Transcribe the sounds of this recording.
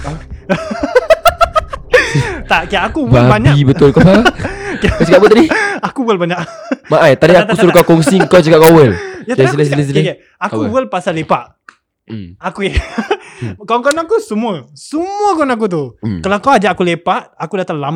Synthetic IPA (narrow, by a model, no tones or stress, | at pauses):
t̪aʔkijaʔakuwbabaɲakibəʊlkopakat͡ʃakapbət̪adiakuwəlbaɲaʔmaʔajt̪adiat̪usuɾukakɔŋsiŋkawt͡ʃakap̚kawəljatasilassləs̬ilka | akuwəlpasalepaʔ | akuja | kaŋkɔnakusəmũəsumũəkɔnak̬ut̪̬ukəlawkawad͡ʒaʔakulepaʔakudat̪aŋlam